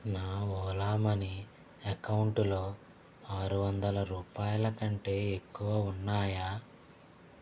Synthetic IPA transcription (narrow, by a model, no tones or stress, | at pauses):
naːɔːlaːmɐni | ɐkɐwuɳʈulo̞ː | aːɾuʋɐnd̪ɐlɐɾuːpaːjɐlɐkɐɳʈe̞ːekːuʋaːunːaːjaː